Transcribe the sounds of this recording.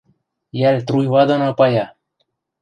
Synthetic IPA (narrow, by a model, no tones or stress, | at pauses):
jælʲt̪ɾujvɑd̪onapɑjɑ